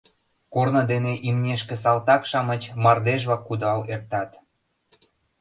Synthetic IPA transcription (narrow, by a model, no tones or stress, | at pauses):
kornɤ̆d̪eneʔimnʲeʃkĕs̬ɑlt̪ɑkʃɑmə̆t͡ɕmɑrd̪eʒβɑkːud̪ɑlert̪ɑt̪